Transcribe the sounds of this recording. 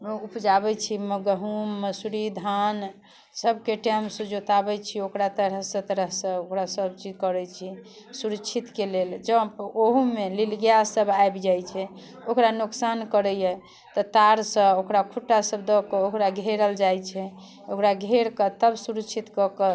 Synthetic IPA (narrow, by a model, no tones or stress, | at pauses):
upd͡ʒabɛt͡ʃʰiməɡəɦumːəsuɾid̪ʱan | səbkeʈɛmsud͡ʒot̪abɛt͡ʃʰiokɾat̪əɾəɦsə̃t̪əɾəɦsə̃okɾasəbt͡ʃid͡ʒkəɾɛt͡ʃʰi | suɾət͡ʃʰit̪keleld͡ʒəoɦumelilɡjasəbajbd͡ʒajt͡ʃʰɛ | okɾanuksankəɾɛjɛ | t̪ɔt̪aɾsə̃okɾakʰuʈːasəbd̪ɔkəokɾaɡʱeɾəld͡ʒajt͡ʃʰɛ | okɾaɡʱeɾkət̪əbsuɾəkːt͡ʃʰit̪kɔkə